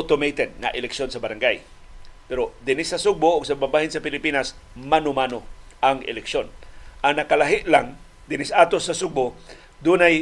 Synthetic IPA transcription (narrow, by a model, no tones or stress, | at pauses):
t̪omejt̪ɛd̪̚nɐ̰ʔɪlɛkʃjonsɐbɐɾaŋɡaj | pɛɾod̪ɪnɪsːɐsʊɡ̚boʔʊɡsɐbabaːhɪnsɐpɪlɪpiːnasmanʊmanoʔaŋʔɪ̰lɛkʃjonʔaŋnɐkalaɦɪʔlaŋ | d̪ɪnɪsaːt̪osːɐsʊɡ̚bo | d̪unaj